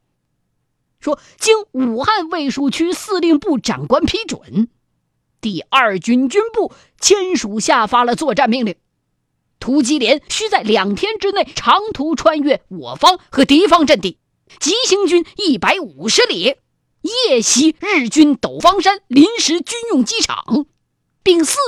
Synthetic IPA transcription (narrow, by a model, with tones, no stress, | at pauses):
ʂwɔ˥ | t͡ɕi˥nu˨˩xa˥˧nwe˥˧ɪʂu˥˧t͡ɕʰy˥sɹ̩˥˧li˥˧ŋpu˥˩ʈ͡ʂa̰˨˩nkwa˥npʰi˧˥ʈ͡ʂwə̰˨˩˦n | t̪i˥˧ɐ˞˥˩t͡ɕy˥nt͡ɕy˥npu˥˩ | t͡ɕʰjɛ˥nʂu˨˩ɕja˥˩fa˥lə˨t͡swɔ˥˧ʈ͡ʂa˥˧nmi˥˧ŋli˥˩ŋ | t̪ʰu˧˥t͡ɕi˧˥ljɛ˧˥nɕy˥t͡sa˥˩ɪljɑ˨˩ŋt̪ʰjɛ˥nʈ͡ʂɻ̩˥ne˥˩ɪʈ͡ʂʰɑ˧˥ŋt̪ʰu˧˥ʈ͡ʂʰwa˥˧nɥɛ˥˩wɔ̰˨˩fɑ˥ŋxɤ˧˥t̪i˧˥fɑ˥ŋʈ͡ʂə˥˧nt̪i˥˩ | t͡ɕi˧˥ɕi˧˥ŋt͡ɕy˥ni˥˩pa˧˥ɪu˨˩ʂɻ̩˧˥ljɛ˧˥ | jɛ˥˩ɕi˧˥ɻɻ̩˥˩t͡ɕy˥nt̪o˨˩ʊfɑ˥ŋʂa˥nli˧˥nʂɻ̩˧˥t͡ɕy˥njʊ˥˩ŋt͡ɕi˥ʈ͡ʂʰɑ̰˨˩˦ŋ | pi˥˧ŋs̩˥˩